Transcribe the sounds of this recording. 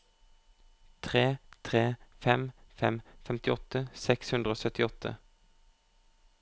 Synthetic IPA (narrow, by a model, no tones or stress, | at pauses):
t̪ʰʁeːt̪ʰʁeːfɛmfɛmfɛmt̪ɪɔt̪əsɛkshʉnd̪ʁəoːsœt̪ɪɔt̪ʰə̰